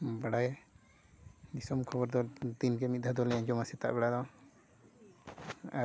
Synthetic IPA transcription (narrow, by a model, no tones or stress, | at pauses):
baɽajɛ | d̪isɔmkʰɔbɔɾd̪ɔd̪inɡɛmit̪̚d̪ʱad̪ɔlɛɲãd͡ʒɔmasɛt̪a̰ʔbɛɽad̪ɔ | a